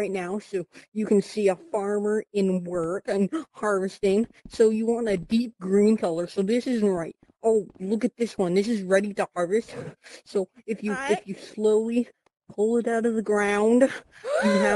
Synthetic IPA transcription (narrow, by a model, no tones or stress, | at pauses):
aɪtⁿnaʊsoʊjɨkɨ̃n̩siəfɑɹmə˞ɪ̃nwɜ˞kɨ̃nhɑɹvɨstɪ̃ŋ | soʊjɨwɑ̃nɨdip̚ɡ̥ɹĩnkʰʌlˠə˞soʊðɪsɪz̃n̩ʔɹaɪt̚ | oʊlʊkɨt̪̚ðɪswʌ̃nðɪsɨzɹɛɾiɾəhɑɹvɨst̚soʊɨfjɨɨfjɨsloʊlˠi | pʰʊlˠɪɾaʊɾʌvðɨɡɹãʊ̃nd̥jɨɨ